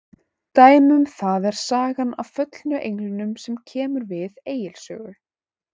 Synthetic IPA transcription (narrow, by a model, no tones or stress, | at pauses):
t̪aːjmʏmθaðɛɾ̥saːɣana̰wfœt̪lnʏʔejŋlʏnʏmsɛmcʰɛːmʏɾvɪðeːjɪlsœːɣʏ